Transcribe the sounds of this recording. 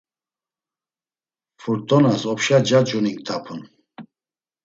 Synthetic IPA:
fuɾt̪ʼɔnasɔpʃad͡ʒad͡ʒuniŋkt̪ʰapʰun

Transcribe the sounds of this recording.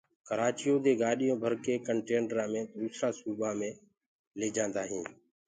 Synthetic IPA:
kəɾaːt͡ʃɪjoːd̪eːɡaːɗɪjõːbʱəɾkeːkəɳʈeːnəɾãːmẽːd̪uːsɾaːsuːbʱaːmẽː | leːd͡ʒãːnd̪aːɦĩː

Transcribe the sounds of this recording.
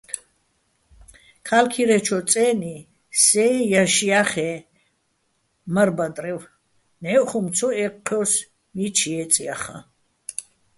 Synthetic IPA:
kʰalkʰiɾɛt͡ʃʰɔt͡sʼɛːni | sɛjaʃiaχɛ | mərbad̪ʼrɛw | nɛːʔχumt͡sʰɔɛqʰːɔws | mit͡ʃʰiɛt͡sʼijaχa̰

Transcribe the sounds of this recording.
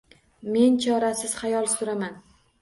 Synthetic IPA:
me̞nt͡ʃʰɒɾasɪz̥χajɒlˠsʊɾaman

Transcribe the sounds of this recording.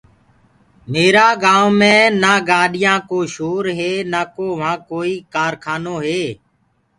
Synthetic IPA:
meːɾaːɡãːmẽːnaːɡaːɗɪjãːkoːʃoːɾɦeːnaːkoːʋãːkoːiːkaːɾkʰaːnoːɦeː

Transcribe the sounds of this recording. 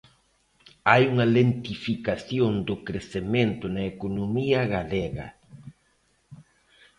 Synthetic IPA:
ajuŋɐlent̪ifikaθjoŋd̪ʊkɾeθemẽnt̪ʊnɐekonomiɐɣaleɣɐ̰

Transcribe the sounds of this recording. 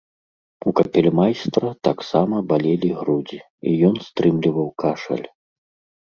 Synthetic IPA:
ukɐpʲɛlʲmajst̪rɐt̪aksamɐbalʲelʲiɣɾud͡zʲi | ijɔnst̪ɾɨmlʲivɐwkaʂɐ̰lʲ

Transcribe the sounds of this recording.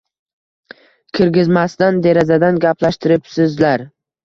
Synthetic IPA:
kʲʰɪɾɡʲɪzmast̪and̪e̞ɾazad̪anɡʲapʰlaʃt̪ʰɪɾɪpsɪzlaɾ

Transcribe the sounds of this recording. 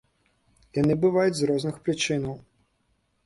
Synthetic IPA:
janɨbɨvajud͡zʲzɾɔznɨxpɾɨt͡ʂɨnɐw

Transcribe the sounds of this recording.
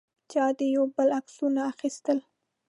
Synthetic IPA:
t͡ʃɑd̪ejawbəlaksunaːxist̪əl

